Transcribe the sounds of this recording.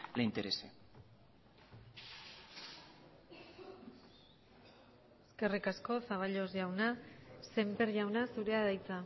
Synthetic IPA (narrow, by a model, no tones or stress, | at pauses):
leint̪eɾesḛ | eske̞rikasko̞saβ̞aʎo̞zʝawnase̞mpe̞ɾʝawnasuɾe̞aðajt͡sa